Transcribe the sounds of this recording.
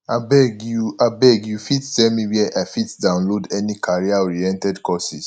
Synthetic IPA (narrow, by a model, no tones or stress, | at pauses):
abɛɡuabɛɡjufittɛlmĩwɛʔafitdãʊ̃nlodɛnikʰaɹiaɹiɛ̃ntɛdkɔsis